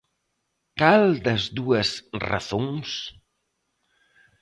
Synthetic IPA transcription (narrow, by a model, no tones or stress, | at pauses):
kald̪əzd̪uəsra̰θoŋs